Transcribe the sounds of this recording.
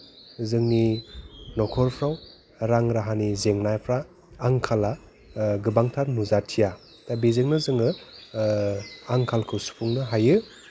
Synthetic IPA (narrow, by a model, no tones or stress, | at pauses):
zɯŋni | nɔkʰɔɾpʰɾaw | ɾaŋɾaɦanizeŋnajpʰɾaː | ŋkʰala | ɡɯbaŋtʰaɾnuzatʰija | tabizeŋnɯzɯŋɯ | aŋkʰalkʰɯsu̥pʰuŋnɯɦajɯ